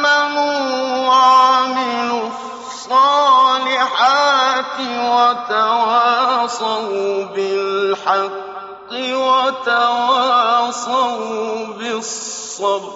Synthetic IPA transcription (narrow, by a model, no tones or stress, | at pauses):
amʊwaʕʕmɪlʊ | sˤɑːlɪħat̪ɪwat̪awaːsˤawbɪlħɑqː | ɪwat̪awasawbɪsː | ɑbɾ